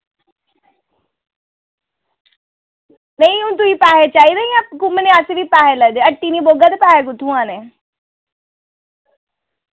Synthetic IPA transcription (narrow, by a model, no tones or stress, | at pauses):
nəĩʊ̃nt̪̬uipaːɦet͡ʃaːid̪aijãkʊmənẽaːseʋipaːɦelɛd̪eəʈːiːniboːɡad̪epaːɦekʊt̪ʰũãːne